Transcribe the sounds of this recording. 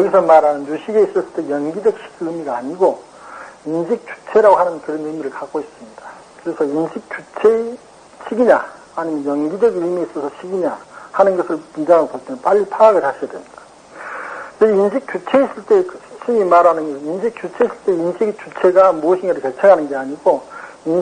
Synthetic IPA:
jʌɡisʰʌmaɾanɯnjuɕʰiɡe̞is͈ʌs͈ɯɭt͈ejʌnɡid͡ʑʌk̚ɕʰi̥ɡɯmiɡaːɲiɡo | inɕʰik̚t͡ɕ͈u̥t͡ɕʰe̞ɾaɡoɦanɯnkɯɾʌnɯmiɾɯɭkak͈ois͈ɯmɲida | kɯɾe̞sʰʌinɕʰik̚t͡ɕut͡ɕʰe | ɕʰiɡiɲa | aɲimjʌnjʌŋɡid͡ʑʌɡɯmieis͈ʌsʰʌɕʰiɡiɲahanɯnɡʌsʰɯɭmidakʌɭt͈eŋenp͈aʎːipʰaaɡɯɭhaɕʰijademɲid̥ḁ | ɯinɕʰik̚t͡ɕ͈ut͡ɕʰe̞is͈ɯɭt͈e̞kɯ̥ɕʰiɲimaɾanɯnɡʌsʰninɕʰik̚t͡ɕ͈ut͡ɕʰe̞is͈ɯɭt͈e̞inɕʰiɡt͡ɕut͡ɕʰe̞ɡamuʌɕʰinɡʌɾɯɭke̞t͡ɕʰeŋɦanɯnɡe̞aɲiɡo | in

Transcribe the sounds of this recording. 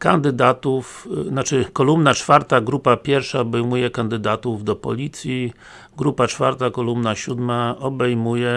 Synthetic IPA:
kand̪ɘd̪at̪ufnat͡ʂɘkɔlumnat͡ʂfaɾt̪aɡɾupapʲjɛɾfʂaɔbɛjmujɛkand̪ɘd̪at̪uvd̪ɔpɔ̰lʲit̪sʲji | ɡɾupat͡ʂfa̰ɾt̪akɔlumnaɕud̪maɔbɛjmujɛ

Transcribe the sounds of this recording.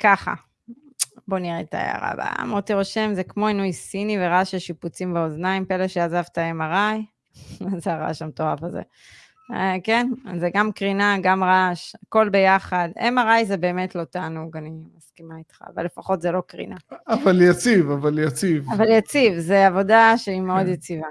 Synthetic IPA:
kaχa̰ | bo̞niʁet̪a̰ja̰ʁa̰ba̰a̰maʁt̪iʁo̞ʃemzekmo̞inujsiniveʁaʃeʃiput͡simbaoznaimpeleʃeazavt̪aemaʁaj | zeaʁa̰ʃamt̪oafazḛ | kenzeɡamkʁinaɡamʁaʃako̞lbe̞jaχadḛmaʁajzebe̞ːme̞tlo̞t̪aːnuɡanimaskimait̪χa̰ːva̰lːe̞faχo̞tzelo̞kʁḭnaavaljat͡sivavaljat͡sivavaljat͡sivzeavo̞daʃeimeo̞d̪jat͡siva

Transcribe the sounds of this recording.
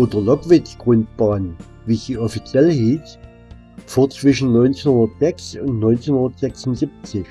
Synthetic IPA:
ʔoːdɐlɔɡvɪt͡sɡ̥ʁʊntb̥aːn | viːsd̥iːɔfit͡sjɛləhiːs | foːɐt͡sv̥ɪʃn̩nɔʏnt͡senhʊndɐtz̥ɛksʊntnɔʏnt͡senhʊndɐtz̥ɛksʊnzip̚t͡sɪç

